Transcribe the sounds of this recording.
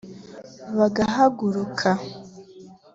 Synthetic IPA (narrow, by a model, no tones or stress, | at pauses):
βaɡaɦaɡuɾukʰa